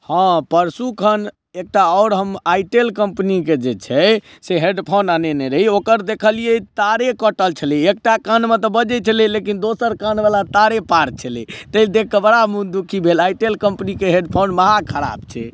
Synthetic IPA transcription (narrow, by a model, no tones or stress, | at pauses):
hãpəɾsukʰən | ek̚ʈaɔʊɾɦəmajʈelkəmpniked͡ʒet͡ʃʰɛ | seɦeɖpʰonanenɛɾəɦiokəɾd̪ekʰəlijɛt̪aɾekəʈəlt͡ʃʰəliek̚ʈakanmet̪ɔbəd͡ʒɛt͡ʃʰəlilekind̪osəɾkanbalat̪aɾepaɾt͡ʃʰəlḭt̪əd̪ek̚ʰkəbəɾamud̪ukʰibʱelaiʈelkəmpnikeɦeɖpʰonməɦakʰəɾa̰bt͡ʃʰɛ